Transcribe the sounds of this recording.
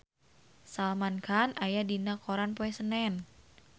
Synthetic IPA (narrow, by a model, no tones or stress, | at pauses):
salmankʰanajadinakoɾanpoɛsənɛn